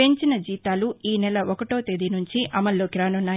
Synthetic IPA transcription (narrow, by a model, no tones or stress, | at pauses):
eɲt͡ʃinɐd͡ʒiːt̪aːluiːnɛlɐʔɔkɐʈo̞ːt̪ed̪inuɲt͡ʃiʔɐmɐlːoːkɾaːnɐnːaː